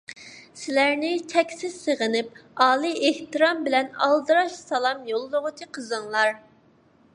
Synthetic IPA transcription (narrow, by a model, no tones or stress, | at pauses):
sɪlæɾnɪt͡ʃʰɛkʲsɪz̥səʁənɪp̚ɑːlˠiʔeht̪ɨɾɑmbɪlɛnɑ̰lˠd̪ɨɾɑʃsɑlˠɑmjolˠːʊʁʊt͡ʃʰiqʰəzɨŋlˠɑɾ